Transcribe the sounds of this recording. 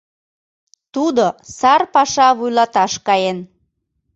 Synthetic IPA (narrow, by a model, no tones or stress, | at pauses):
t̪ud̪osɑrpɑʃɑβujlɑt̪ɑʃkɑjen